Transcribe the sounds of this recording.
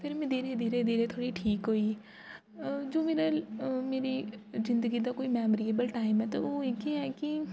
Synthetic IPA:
pʰɪɾmɛ̃d̪iːɾed̪iːɾed̪iːɾet̪ʰoːɽiʈʰiːkɦoi | d͡ʒoːmeːɾəlmeːɾizɪ̃nd̪əɡid̪akoːimɛːmɾieːbəlʈaːɪmɦɛt̪oʋoːekeɦɛki

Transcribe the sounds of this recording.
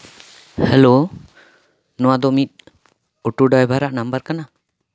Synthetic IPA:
hɛlo | nɔwad̪ɔmit̪̚ˀ | ɔʈuɖajbʱaɾaʔnambəɾkana

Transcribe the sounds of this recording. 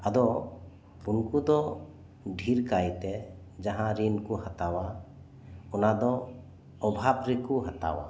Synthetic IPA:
ad̪ɔ | unkud̪ɔ | ɖʱiɾkajt̪ɛ | d͡ʒaɦãɾinkuhat̪awa | ɔnad̪ɔː | bʱabɾɛkuɦat̪a̰wa̰

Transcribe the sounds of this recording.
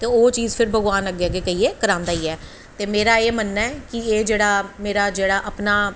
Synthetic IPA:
t̪eːoːt͡ʃiːzpʰɪɾbʱəɡʋaːnəɡeaɡeːkəiːeːkəɾãːnd̪aːiːɛː | t̪eːmeːɾaːeːmənːaɛːkɪeːd͡ʒeːɽaːmeːɾaːd͡ʒeːɽaːʔəpnaː

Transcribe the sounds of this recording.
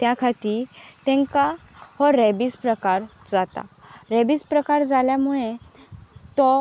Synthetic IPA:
t̪jakʰat̪iːɾt̪ɛ̃ŋkahɔɾɛbispɾəkaɾd͡zat̪a̰ɾɛbiːspɾəkaɾd͡zaljamuɭẽ | t̪ɔ

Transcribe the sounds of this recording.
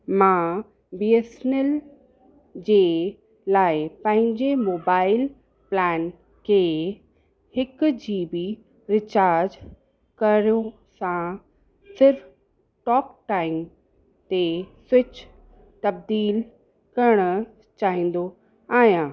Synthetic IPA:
mã | biːesnel | d͡ʑeː | laːɪpɐ̃ɦɪ̃ɲd͡ʑemoːbaːɪl | plɛːn | kʰeː | hɪkʊd͡ʑiːbi | ɾɪt͡ɕaːɾd͡ʑ | kɐɾijo | sã | sɪɾf | ʈɔːkʈaːɪm | t̪esʊt͡ɕ | t̪ɐb̚d̪iːl | kɐɾɽ̃ʊ | t͡ɕaːɦĩːn̆d̪o | aːɦjãː

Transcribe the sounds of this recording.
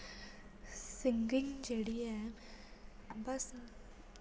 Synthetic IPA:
sɪŋɡɪ̃ŋɡd͡ʒeːɽiɦɛː | bɐs

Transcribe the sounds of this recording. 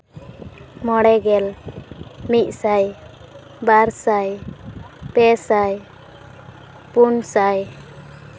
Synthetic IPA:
mɔɽɛɡɛl | mic̚ˀsaj | baɾsaj | pɛsaj | punsaj

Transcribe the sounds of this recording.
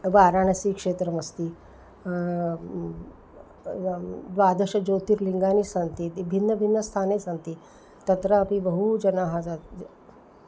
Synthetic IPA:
baːɾaɳɐsiːkʂeːt̪ɾəmɐst̪iː | d̪ʋaːd̪əɕɐd͡ʑot̪iːɾliŋɡanisant̪iːbʱin̤ːəbʱinːəst̪ʰaːnesant̪iː | t̪ɐt̪ɾəːpibəɦud͡ʑɐnaɦad͡zat̪

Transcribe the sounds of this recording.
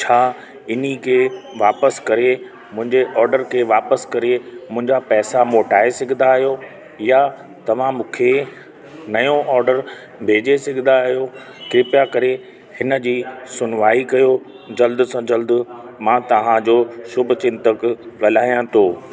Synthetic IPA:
t͡ɕʰaː | ɪnikʰeːʋaːpəskɐɾe | mʊ̃ɦɪ̃ɲd͡ʑeʔɔːɾɖəɾkʰeːʋaːpəskɐɾemʊ̃ɦɪ̃ɲd͡ʑapɛːsamoːʈaːesɪɡʱnd̪aːɦijo | ja | t̪ɐʋ̤ãmũːkʰe | nɐjõʔɔːɾɖəɾ | bʱeːd͡ʑesɪɡʱɪ̃nd̪aːɦijo | kɾɪpjakɐɾe | hɪnə̆d͡ʑiːsʊnʋaːikɐjo | d͡ʑɐld̪ʊsãd͡ʑɐld̪ʊmãːt̪ɐʋ̤ãd͡ʑoːsʊbʱʊ̆t͡ɕɪ̃nt̪əkɠɐl̤aːijãt̪ʰoː

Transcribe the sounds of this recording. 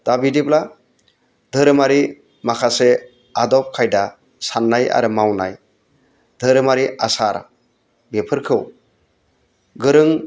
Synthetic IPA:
d̥abidipla | dʱɯɾɯmaɾi | makʰase | adɔp̚kʰajda | sanːaja̰ɾɯmawna̰j | dʱɯɾɯmaɾiasaɾ | bepʰɯɾkʰɯw | ɡɯɾɯŋ

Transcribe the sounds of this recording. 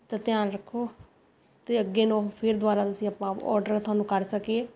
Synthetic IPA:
t̪ãːt̪ɪjaːnɾəkʰːoː | t̪eːəɡːeːnɔ̃ːpʰɪɾd̪ʊʋaːɾaːt̪ʊsĩapãːɔ̰ːɾɖəɾt̪ʰʊaːnũːkəɾsəkieː

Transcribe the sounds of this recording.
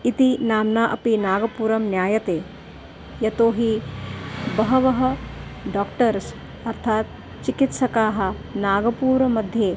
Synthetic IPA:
it̪inaːmnaːʔɐpinaːɡɐpuːɾɐmnjaːjɐt̪eː | jɐt̪oːɦi | bɐɦɐʋɐɦɐɖaːkʈɐɾs | ɐɾt̪ʰaːt̪ | t͡ʃikit̪ʃɐkaːɦɐ̆ | naːɡɐpuːɾɐmɐd̪ʱjeː

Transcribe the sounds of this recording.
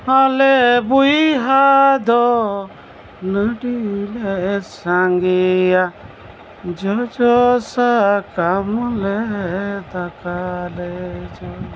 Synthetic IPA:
alɛbuiɦad̪ɔ | nəɖilɛsaŋɡija | d͡ʒɔd͡ʒɔsakamlɛd̪akalɛd͡ʒɔ

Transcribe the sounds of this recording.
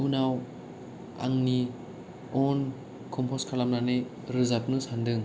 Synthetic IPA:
unaw | a̰ŋni | ɔn | kʰɔmpʰɔskʰalamnanɯj | ɾɯzap̚nɯsandɯŋ

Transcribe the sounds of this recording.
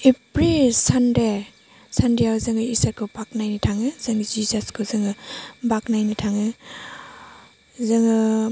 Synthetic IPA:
epɾisande | sandejawzɯŋɯisaɾkʰɯwpʰak̚najnitʰaŋɯzaŋɯzizaskʰɯzɯŋɯbaknajnitʰaŋɯ | zɯŋɯ

